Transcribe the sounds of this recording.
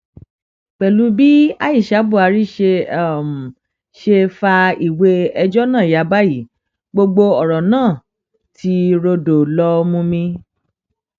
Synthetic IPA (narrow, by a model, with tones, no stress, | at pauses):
k͡pɛ˨lu˨˦bi˦a˦i˦˨ʃa˨˦bu˦˨a˨˧ɾi˦ʃe˧a˨m˨ | ʃe˧fa˧i˨we˧ɛ˧d͡ʒɔ˦nãː˦˨ja˨˦ba˦ji˦˨ | ɡ͡bo˧ɡ͡bo˧ɔ˨ɾɔ˨nãː˦˨ | ti˧ɾo˧do˨lɔ˧mũ˧mĩ˧